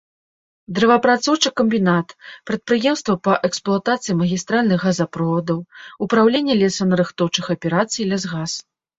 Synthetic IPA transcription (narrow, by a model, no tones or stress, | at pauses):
d̪ɾɐvɐpɾat̪sɔwt͡ʂɨkɐmʲbʲinat̪pɾɐt̪̚pɾɨjɛmst̪vɐpɐʔɛksplˠuat̪at̪sɨjimɐɣʲist̪ɾalʲnɨxɣazapɾɔvɐd̪ɐwupɾawlʲenʲːɛlʲɛsɐnɐɾɨxt̪ɔwt͡ʂɨxɐpʲɛɾat̪sɨjlʲɛzɣas